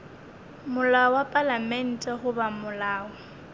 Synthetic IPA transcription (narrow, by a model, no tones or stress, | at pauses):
mʊlaɔwapʼalamɛn̩tʼɛɦʊbamʊlaːɔ